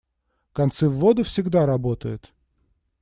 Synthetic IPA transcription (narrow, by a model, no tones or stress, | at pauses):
kɐnt̪sɨvːod̪ʊfsʲɪɡd̪aɾɐbot̪əjʊt̪